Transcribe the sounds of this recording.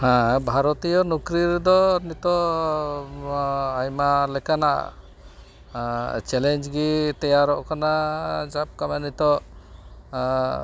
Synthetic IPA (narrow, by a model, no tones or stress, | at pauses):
hãbʱaɾɔt̪ijɔnukɾiɾd̪ɔnit̪ɔ | ajmalɛkanaʔa̰ | t͡ʃɛlɛɲd͡ʒɡit̪ɛjaɾɔʔkanad͡ʒap̚kamɛnit̪ɔʔ